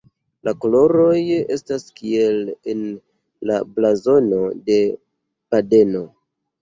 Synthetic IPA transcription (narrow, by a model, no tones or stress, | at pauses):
lakolo̞ɾo̞je̞staskie̞len | la̰blazo̞no̞de̞ | pade̞no̞